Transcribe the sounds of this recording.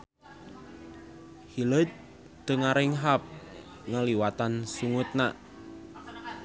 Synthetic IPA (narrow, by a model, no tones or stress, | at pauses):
hilət̪̚ | d̪̥əŋaɾɪŋɦap̚ | ŋəliwat̪ansuŋʊt̪̚naʔ